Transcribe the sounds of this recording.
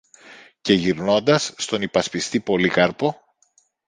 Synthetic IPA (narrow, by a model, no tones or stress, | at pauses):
ce̞ʝiɾno̞nd̪ɐsːt̪o̞nipɐspist̪ipo̞likɐɾpo̞